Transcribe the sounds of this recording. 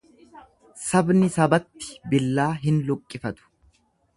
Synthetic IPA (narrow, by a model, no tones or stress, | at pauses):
sɐbnɪsɐbɐt̪ːɪ̥bɪlːaːɦɪnlʊkʼːɪfɐt̪ʊ̥